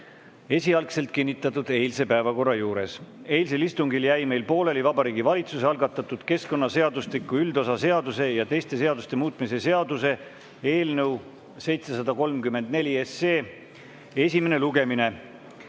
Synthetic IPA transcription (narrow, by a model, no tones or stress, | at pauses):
e̞sʲiɑlkse̞lt̪̚kinːit̪ːˑɑt̪ːˑud̪̥e̞jlse̞pæevɑko̞rːɑjuːɾe̞̰s | e̞jls̬e̞list̪uŋɡiljæjme̞jlpo̞ːle̞livɑbɑɾiːɡivɑlʲit̪suseɑlɡɑt̪ːˑɑt̪ːˑud̪̥ke̞sko̞nːɑse̞ɑd̪ust̪likːˑuyld̪o̞sɑse̞ɑd̪use̞jɑt̪e̞jst̪e̞se̞ɑd̪ust̪e̞muːt̪ˑmise̞se̞ɑd̪use̞ | e̞ːlnəw | se̞jt̪se̞sɑd̪ɑko̞lmkymːe̞nd̪̥ne̞lʲiese̞ː | e̞sʲimene̞luɡe̞mine̞